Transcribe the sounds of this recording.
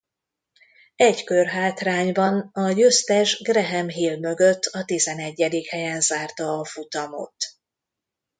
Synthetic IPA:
ɛɟkørɦaːt̪raːɲbɒnɒjøst̪ɛʒɡrɛɦɛmɦiːlmø̞ɡøt̪ːɒt̪izɛnɛɟːɛd̪ikhɛjɛnzaːrt̪ɒːfut̪ɒmo̰t̪

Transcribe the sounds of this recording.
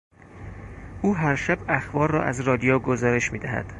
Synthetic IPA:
ʔuːɦæɾʃæbæxbɒːɾːɒ̰ːʔæzrɒːd̪ijoːɡozɒːɾe̞ʃmiːd̪æhæ̰d̪̥

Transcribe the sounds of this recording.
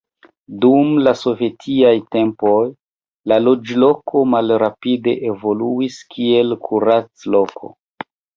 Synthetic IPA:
dumlaso̞vje̞tʰiajte̞mpo̞j | lalo̞d͡ʒlo̞kʰo̞malɾapide̞ʔevo̞luiskie̞lkʰuɾat͡slo̞kʰo̞̰

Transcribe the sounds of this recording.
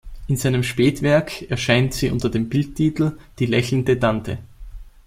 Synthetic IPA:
ʔɪnzaɪnəmʃpeːtv̥ɛɐkɛɐʃaɪntz̥iːʔʊ̰ntɐdeːmbɪlt̚tʰːiːtl̩d̥iːlɛçl̩n̩dətantʰə̰

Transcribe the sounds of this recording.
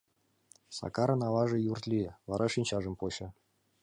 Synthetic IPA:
sɑ̰kɑɾɤ̆nɑlɑʐɤ̆jurt̪lʲivɑɾʔɑʂinʲt͡ɕɑʐɤ̆mpoɕɤ̆

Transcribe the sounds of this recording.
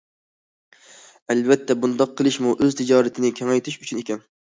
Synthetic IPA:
ɛlbɛt̪ʰːɛbund̪ɑq̚ʰːəlˠɨʃmuʔøzt̪ʰɪd͡ʒɑːɾɨt̪ʰɪnɪkʲʰɛŋɛjt̪ʰɪʃyt͡ʃʰynekʲɛn

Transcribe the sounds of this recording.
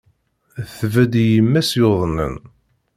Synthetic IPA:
θvæd̪jəmːæsjoðˤnə̰n

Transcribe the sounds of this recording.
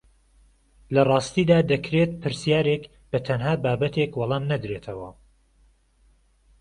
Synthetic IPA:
lɐrˤɑːst̪iːd̪aːd̪ɐkɾet̪̚pʰɨɾsijaːɾek | b̥ɐt̪ʰɐnɦaːbaːbɐt̪ʰekwɑlˠɑːmnɐd̪ɾeːt̪ʰɐwɐ

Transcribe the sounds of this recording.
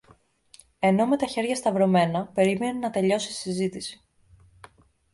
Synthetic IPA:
e̞no̞me̞t̪ɐçe̞ɾʝɐst̪ɐvɾo̞me̞nɐpe̞ɾime̞nunɐt̪e̞ʎo̞sii̥sizit̪isi̥

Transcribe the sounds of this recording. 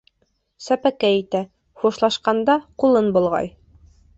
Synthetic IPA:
sæpækæit̪æ | χuʃlˠɑʃqɑnd̪ɑqulˠɤnbŭlˠʁɑ̰j

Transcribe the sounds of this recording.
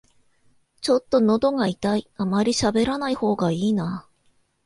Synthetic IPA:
t͡ɕo̞t̪ːo̞no̞d̪o̞ŋait̪aiamaɾʲiɕabe̞ɾanaiho̞ːɡaiːnaː

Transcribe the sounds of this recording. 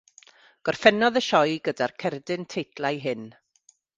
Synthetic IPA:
ɡ̥ɔrfɛnɔðəʃɔjɡədarkʰɛrdɪntʰejtlˠajɦɨn

